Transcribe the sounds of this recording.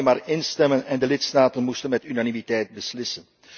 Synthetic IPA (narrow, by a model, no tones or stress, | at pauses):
maːrɪnstɛmənɛndəlɪtstaːtənmustənmɛtynanimitɛjt̚bəslɪsən